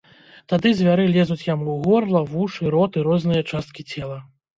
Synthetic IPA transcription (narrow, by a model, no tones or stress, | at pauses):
t̪ad̪ɨzʲvʲaɾɨlʲɛzut͡sʲjamuwɣɔrlˠɐvuʂɨɾɔt̪ɨɾɔznɨjɐt͡ʂast̪̚kʲit͡sʲɛlˠɐ